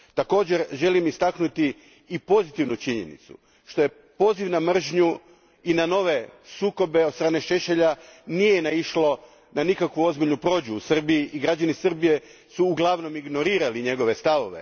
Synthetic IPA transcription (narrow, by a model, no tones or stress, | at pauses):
t̪ako̞ːd͡ʑeɾʒe̞limist̪aknut̪iː | po̞zit̪iʋnut͡ʃiɲḛnḭt̪sṵ | ʃt̪o̞je̞ | po̞ːziʋnamr̩ʒɲu | inano̞ʋe̞suːko̞be̞od̪st̪ɾaːne̞ʃe̞ʃeʎanije̞naiʃlo̞ | nanikakʋuo̞zbiʎnupɾo̞ːd͡ʑuːsr̩biiʔiɡɾad͡ʑanisr̩bije̞ | suːɡlˠaʋno̞miɡno̞ɾiːɾaliɲe̞ɡo̞ʋe̞st̪aʋo̞ʋe̞̰